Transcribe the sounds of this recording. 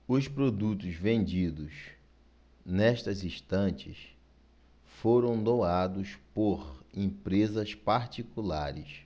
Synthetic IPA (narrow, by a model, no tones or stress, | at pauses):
ʊspɾod̪ut̪ʊzvẽnd͡ʒid̪ʊs | nɛʃt̪ɐzĩʃt̪ɐ̃t͡ʃɪs | foɾɐ̃w̃d̪owad̪ʊspoɾẽpɾezɐspaɾt͡ʃikulaɾɪs